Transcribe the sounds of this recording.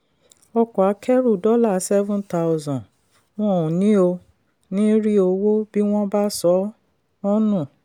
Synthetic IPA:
ɔ˧kɔ˨a˨˦kʰɛ˦ɾu˦˨dɔ˦la˦˨˦sɛ˦vũ˦nta˦wzɔ̃˨n | w̃ɔ̃˦˨ũ˨nĩ˨˦o˧ | nĩ˦ɾi˦o˧wo˦bi˦w̃ɔ̃˦ba˦sɔ˨˦ | ɔ̃˦nũ˦˨

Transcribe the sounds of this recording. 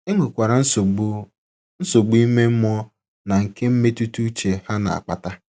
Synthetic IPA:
e˦ŋʷe˨kʷa˨ɾa˨˦˨ | n̩˦so˨ɡ͡bi˦me˦m̩˦mɔ˦ | na˨ŋ̩˨ke˦m̩˦me˦tu˦tu˦t͡ʃe˨ha˦na̰˨a̰˨k͡pa̰˨ta˦

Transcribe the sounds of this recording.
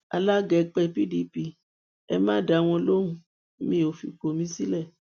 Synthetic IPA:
a̰˧la˦ɡɛ˧˨k͡pɛ˧pi˦di˦pi˧ | ɛ̰˧mãː˦˨da˨w̃ɔ̃˧lo˦ɾũ˧˦ | mĩ˧˦o˨fḭ˨ko˨mĩ˨˦si˦lɛ˦˨

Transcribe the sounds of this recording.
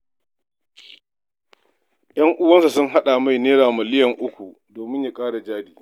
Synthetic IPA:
jɐ˦ŋʔʊ˦wɐ˦nsa˨sʊ˦ŋɦa˦ɗa˨ma˦˨jneː˦ɽaː˨mɐ˨lɪ˦jɐ˨ŋʔʊ˦kʷu˨ | doː˨mɪ˦ɲja˨kʼaː˦ɽa˨d͡ʒaː˦diː˨

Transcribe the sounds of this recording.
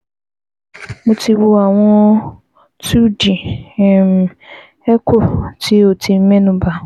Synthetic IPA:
mʊ̃˦ti˦bʊ˦a˨ŋʷɔ˦ | tu˦di˨m˨ | ɛ˦kʰʊ˨ti˦o˨tʰi˨m̩˦me˦nʊ̃˨ba˨

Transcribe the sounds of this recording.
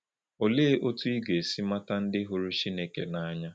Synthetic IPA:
o˨le˦ʔo˦tu˦i˦ɡe˨si˦ma˦ta˦n̩˦dɪ˦ɦo˨ɾu˦t͡ʃi˦ne˨kḛ˨na˨a˦ɲa˦

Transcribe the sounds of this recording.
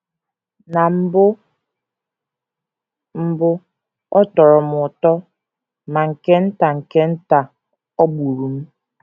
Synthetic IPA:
na˨m̩˦bʊ˦ | m̩˦bʊ˦ | ɔ˦tɔ˨ɾɔ˨m˨ʊ˨tɔ˦ | ma˨ŋ̩˨ke˦n̩˦ta˨ŋ̩˨ke˦n̩˦ta˨ | ɔ˦ɡ͡bu˨ɾu˨m̩˦

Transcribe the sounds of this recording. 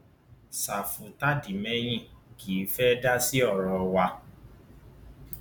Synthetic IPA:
sa˨fu˨ta˦di˨mɛ̃˦j̃ĩ˦˨kʰi˨˦fɛ˦da˦si˦ɔ˦˨ɾɔ˧wa˧

